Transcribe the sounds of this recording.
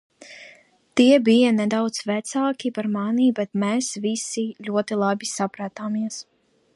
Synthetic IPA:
t̪iɛbijanɛd̪awt̪svæt̪saːkʲipaɾmaniːbɛt̪meːsvisilʲuɔt̪ilˠabisapɾat̪aːmiɛs

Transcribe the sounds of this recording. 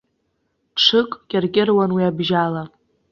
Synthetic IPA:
ʈ͡ʂʰɨkʼɡʲarkʲʼɪrwanwiabʒala

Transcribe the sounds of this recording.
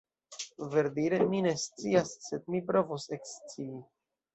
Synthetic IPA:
ve̞ɾd̪iɾemine̞st͡siasːe̞d̪̚mip̬ɾo̞vosekst͡sii

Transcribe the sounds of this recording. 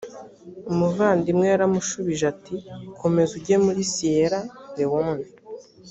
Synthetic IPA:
umuvaːndimŋeɾamuʃuβiʒatikʰo̞me̞zuɟemuɾisieɾadewune

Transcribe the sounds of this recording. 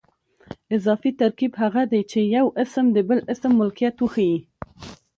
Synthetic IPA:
ɪzɑfit̪aɾkibɦaɣad̪ajt͡ʃejawɪsəmd̪əbəlɪsəmːʊlkijat̪wəxaji

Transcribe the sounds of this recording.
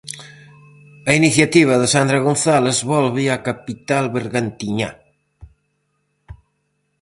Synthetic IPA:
ɐiniθjat̪iβ̞ɐðesand̪ɾaɣ̞onθalezβɔlβiakapit̪alβeɾɣant̪iɲa̰

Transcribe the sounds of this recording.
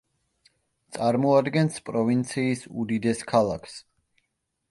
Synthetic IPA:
t̪sʼaɾmɔad̪ɡɛnspʼɾɔvint̪sʰiːsṵd̪id̪ɛskʰalˠa̰kʰs

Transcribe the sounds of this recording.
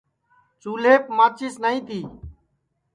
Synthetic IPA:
t͡ʃuːleːpmaːt͡ʃiːsnəaːɦĩːt̪ʰiː

